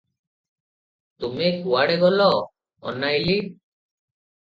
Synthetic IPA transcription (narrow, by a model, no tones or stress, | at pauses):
t̪umekuwaɽɛɡɔlɔ | ɔ̰najli